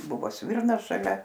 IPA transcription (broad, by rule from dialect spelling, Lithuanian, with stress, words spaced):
ˈbʊʋoː ˈsʲʋʲɪrnɐs ʃɐˈlʲɛ